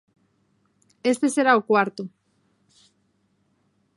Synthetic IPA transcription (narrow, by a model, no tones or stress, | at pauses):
est̪eseɾaokwaɾt̪u